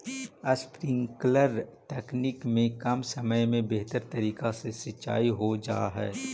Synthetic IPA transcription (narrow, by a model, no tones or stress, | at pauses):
əspɾɪ̃ŋkləɾʈɛːknikmẽkɐmsɐməjmẽbeɦt̪əɾt̪ɐɾiːkasesɪtːʃa̰ːiɦod͡ʒa̰ːɦɛ̰ː